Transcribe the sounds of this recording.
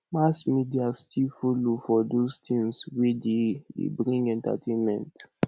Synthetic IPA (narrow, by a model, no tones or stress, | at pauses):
masmidiastʰilfolofɔdost̪ʰĩŋswededḛbɹĩŋɡɛ̃nta̰tʰẽnmɛ̰̃nt